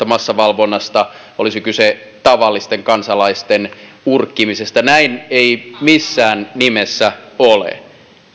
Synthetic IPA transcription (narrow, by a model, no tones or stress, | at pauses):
ɑmɑsːɑʋɑlʋonːɑst̪ɑ | olisikyse | t̪ɑʋɑlːist̪eŋkɑnsɑlɑist̪en | urkːimisest̪ɑnæineimisːæːnnimesːæolḛ